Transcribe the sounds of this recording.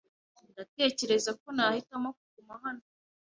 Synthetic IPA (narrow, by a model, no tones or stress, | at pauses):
ndate̞ːce̞ɾe̞zako̞nahitamok̚uɡumaɦano